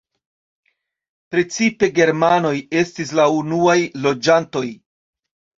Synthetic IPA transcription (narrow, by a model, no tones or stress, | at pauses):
pɾe̞t͡sipe̞ɡe̞ɾmano̞je̞stis̬launuajlo̞d͡ʒanto̞j